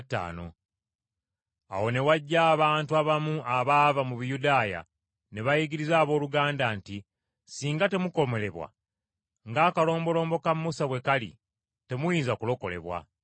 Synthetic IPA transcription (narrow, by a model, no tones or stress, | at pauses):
tːa̰ːno̞̰ | a̰wo̞ne̞waɟːaːβaːntuaβamuaβaːvamuβijudaːja̰ | ne̞βajiɡiɾizaːβo̞ːluɡaːndanti | siːŋɡate̞muko̞me̞le̞βwa̰ | ŋɡaːkalo̞ːmbo̞lo̞ːmbo̞kammusaβwe̞kalḭ | te̞mujiːnzakulo̞ko̞̰le̞̰βwa̰